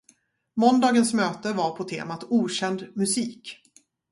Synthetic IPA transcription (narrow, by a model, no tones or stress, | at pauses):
mɔnd̪ɑːɡənsmøːt̪əvaɾpʰɔt̪ʰḛːmat̪uːɕɛnd̪mɵsiːk